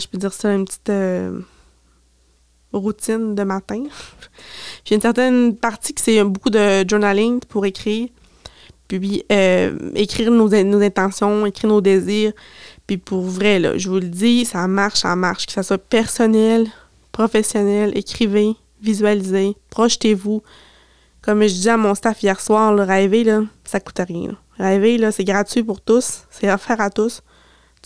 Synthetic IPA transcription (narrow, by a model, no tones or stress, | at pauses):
ʒə̥pød̪d͡ziːʁsɔənpət͡s̪i̥t̪ø | ʁut̪ɪnd̪əmat̪ɛ̃ | piynsɛʁt̪ɛnpaʁt̪ikʲə̥sɛ̃bukud̪əʒuʁnalɪ̃ŋpʰuʁekʲχiːʁ | pɥiøekʲχiːʁnozɛ̃nozɛ̃t̪ɑ̃sjɔ̃ekʲχiːʁnod̪eziːʁpipʰuʁvʁɛlɔ̰ʒəvuld̪isamaʁʃsa̰ma̰ʁʃkə̥saswapɛʁsɔnɛl | pχɔfɛsjɔnɛlʔekʲχive | vizɥalizepχɔʃt̪evu | kɔmʒəd̪iziamɔ̃st̪afijɛːʁswɑːʁlɔʁevelɔsaku̥t̪ɛʁjɛ̰̃lɔ̰ | ʁevelʌsɛɡʁatɥipʊʁt̪ʊsːɛafɛːʁat̪ʊs